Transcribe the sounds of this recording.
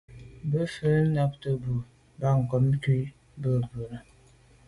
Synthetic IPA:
bə˦fə˦na˦p̚tə˨bu˨ | ba˦ŋ̩˨kɔ˨˦m˦ki˦ | bə˦˨bə˨ɾə˨

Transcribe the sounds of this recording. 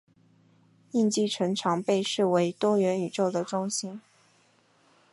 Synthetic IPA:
i˥˧nt͡ɕi˥˩ʈ͡ʂʰɤ˧˥ŋʈ͡ʂʰɑ˧˥ŋpe˥˧ɪʂɻ̩˥˩we˧˥ɪt̪wɔ˥ɥɛ˧˥ny˨˩ʈ͡ʂo˥˩ʊd̪ə˩ʈ͡ʂʊ˥ŋɕi˥n

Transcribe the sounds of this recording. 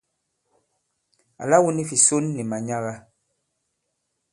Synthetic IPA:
a̰˨la˦wu˦ni˦fi˨so˦nːi˨ma˨ɲa˦ɣa˦

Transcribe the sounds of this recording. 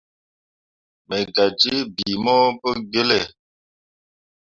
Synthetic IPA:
mə˨ɡa˨d͡ʒi˦bi˨mɔ˦pə˦ɡe˦le˦˨

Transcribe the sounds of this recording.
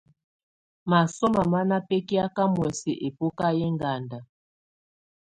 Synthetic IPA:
ma˨sɔ˦ma˨ma˦na˦pɛ˦ki˦a˦ka˦mwɛ˨sɛ˨ʔe˨po˦ka˦jɛ˦ŋɡa˨nda˨

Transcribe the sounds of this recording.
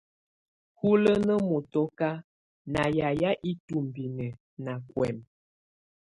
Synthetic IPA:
hu˦lə˦nə˦mu˨tɔ˦ka˦ | na˨ja˨ja˦ʔi˦tu˨m˨bi˨nə˨ | na˨kwɛ˨m

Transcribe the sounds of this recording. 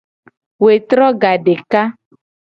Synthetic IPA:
we˨t̪ɾɔ˦ɡa˨ɖe˨ka˦

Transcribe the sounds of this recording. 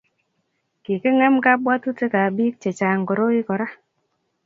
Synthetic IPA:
ki˨ke˦ŋɛ˦mka˦bwa˦tu˦te˦ka˨biː˦k̚t͡ʃe˨t͡ʃa˨ŋ̩˨ko˨ɾo˦i˦kɔ˨ɾa˦

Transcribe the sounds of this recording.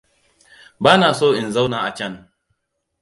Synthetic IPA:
baː˦naː˨soː˦ʔɪ˨nza˦wnaː˨ʔa˨t͡ʃɐ˦n

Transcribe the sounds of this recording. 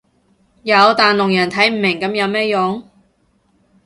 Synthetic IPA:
jɐ˨˧wt̪aː˨nlʊ˨˩ŋjɐ˨˩nt̪ʰɐ˨˥jm̩ː˨˩mɪ˨˩ŋkɐ˨˧˥mjɐ˨˧wmɛː˥jʊ˨˧˥ŋ

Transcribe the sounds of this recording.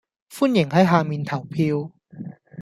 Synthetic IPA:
fu˥˨nje˨˩˦ŋɦa˥˩jɦaː˧mi˧nt̪ʰa˨˩˦wpʰi˧w

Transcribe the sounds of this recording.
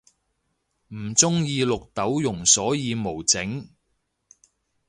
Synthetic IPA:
m̩˨˩t͡sʊ˥ŋjiː˧lʊ˨k̚t̪ɐ˨˥wjʊ˨˩ŋsɔː˨˥jiː˧mo˨˩wt͡sɪ˨˥ŋ

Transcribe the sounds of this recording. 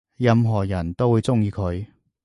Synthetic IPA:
jɐ˧mɦɔː˨˩jɐ˨˩nt̪o˥wuː˨˧jt͡sʊ˥ŋjiː˨˧kʰɵ˨˧ɥ

